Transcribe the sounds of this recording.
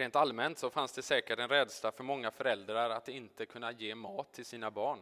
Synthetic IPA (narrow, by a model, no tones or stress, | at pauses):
ɾeːnt̪almɛnt̪sɔfansd̪ɛsɛːkəʈɛnɾɛd̪slafœɾmɔŋːafœɾɛld̪ɾaɾat̪ːɪnt̪əkʰɵnːajeːmɑːt̪ʰːɪlsiːnabɑːɳ